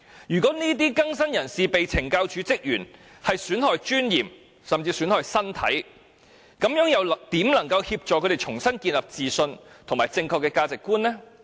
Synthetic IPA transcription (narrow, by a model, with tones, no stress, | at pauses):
jyː˨kɔː˨˥niː˥t̪̬iː˥kɐ˥ŋsɐ˥njɐ˨˩nsiː˨pe˨jt͡sʰɪ˨˩ŋkaː˧wt͡ʃʰyː˨˥t͡sɪ˥k̚jyː˨˩n | hɐ˨jsyː˨˥nhɔː˨˧jt͡ʃyː˥njiː˨˩m | sɐ˨mt͡siː˧syː˨˥nhɔː˨jsɐ˥nt̪ʰɐ˨˥j | kɐ˨˥mjœː˨˥ŋjɐ˨wt̪iː˨˥mnɐ˨˩ŋkɐ˧whiː˧p̚t͡ʃɔː˨kʰɵ˨˧˥ɾe˨˩t͡ʃʰʊ˨˩ŋsɐ˥nkiː˧nlɐ˨p̚t͡siː˨sɵ˧nt̪ʰŋmaː˨jt͡sɪ˧ŋkʰɔː˧kːɛː˧kaː˧t͡sɪ˨kːuː˥nlɛː˥